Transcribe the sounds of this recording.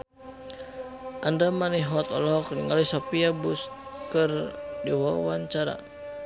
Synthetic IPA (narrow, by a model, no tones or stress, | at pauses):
ʔandamaniɦɔt̪ɔ̰lɔkniŋalisɔpiabust̪̚kɨrdiwawaɲt͡ʃaɾa̰